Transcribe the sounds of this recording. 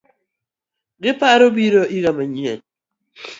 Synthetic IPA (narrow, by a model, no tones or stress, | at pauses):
ɡɪpaɾobiɾoʔiɣamaɲḛn